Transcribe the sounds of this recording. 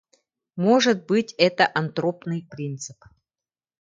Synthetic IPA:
mo̞ʐɨt̪̚bɨtʲɛt̪əʔɐnt̪ɾopnɨjpɾʲint̪sɨp

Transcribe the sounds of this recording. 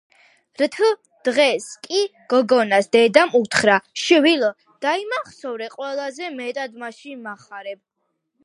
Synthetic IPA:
ɾt̪ʰlˠ | d̪̥ʁɛskʼiɡ̥ɔɡɔnasd̪ɛd̪amut̪ʰχɾaʃvilɔ | d̪̥aimaχsɔvɾɛqʼwɛlˠazɛmɛt̪ʼad̪maʃinmaχaɾɛb̚

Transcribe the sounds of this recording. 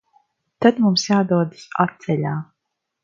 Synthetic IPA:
t̪ad̪mumsjaːd̪uɔd̪ɨsat̪̚sɛlʲaː

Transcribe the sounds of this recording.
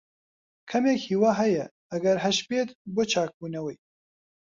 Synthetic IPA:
kʰɐmeːkhiːwaːɦɐjɛ | ɐɡɐɾɦɐʃpeːt̪boːt͡ʃʰaːk̚buːnɐwɐj

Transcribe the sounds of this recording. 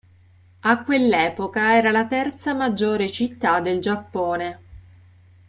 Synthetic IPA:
akːwelːɛːpokaɛːɾalat̪ɛrt̪samad͡ʒːoːɾet͡ʃit̪ːad̪ːeld͡ʒapːoːne

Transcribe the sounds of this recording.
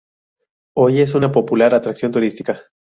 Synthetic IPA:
o̞je̞s̬unapo̞pulaɾat̪ɾaksjo̞nt̪uɾist̪i̥ka

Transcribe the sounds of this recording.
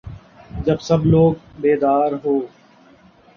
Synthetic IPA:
d͡ʒəbsəbloːɡ̚beːd̪aːɾɦoː

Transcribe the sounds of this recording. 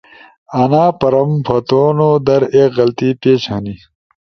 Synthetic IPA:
ɐnaːpɐɾɐmpʰɐt̪oːnoːd̪ɐɾeːkɣɐlt̪iːpeːt͡ɕʰɐni

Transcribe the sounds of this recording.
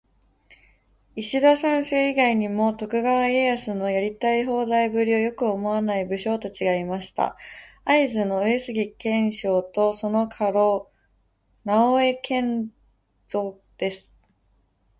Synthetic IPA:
iɕid̪asãɰ̃se̞ːiɡaiɲ̟imo̞t̪o̞kɯ̟ɡaβaeasɨno̞jaɾʲit̪aiɦo̞ːd̪aibɯ̟ɾʲio̞jo̞kɯ̟o̞mo̞anaibɯ̟ɕo̞ːt̪at͡ɕiɡaimaɕi̥t̪a̰aizɨno̞esɨɡʲikẽ̞ɰ̃ɕo̞ːt̪o̞so̞no̞kʰaɾo̞ː | naoe̞kʰẽ̞n | z̥o̞ | d̪̥e̞sɨ̥

